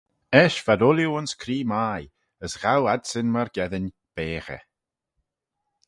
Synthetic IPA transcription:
ɛʃv̥adʊljuʊnskʰɾiːmaːj | əsɣawadsɪnmaɾɡɛðənʲ | b̥eːxə̰

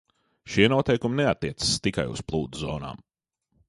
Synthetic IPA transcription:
ʃiɛnuɔt̪ɛjkumnɛat̪ːiɛt̪sst̪ika̰jṵsplˠuːd̪uzɔ̰ːna̰ːm

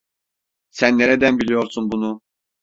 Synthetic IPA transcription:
sænːeɾed̪ænbilʲijo̞ɾsunbunu

